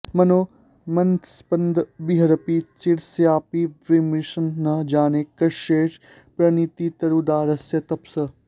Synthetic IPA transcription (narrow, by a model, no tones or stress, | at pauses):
mɐnoː | mɐnt̪spənd̪biɦɐɾɐpit͡ʃiɽsjaːpiʋimɾiʃənːɐd͡ʒaːneːkɐʃeːʃ | pɾɐnit̪it̪ɐɾud̪aːɾɐsjɐt̪ɐpsɐ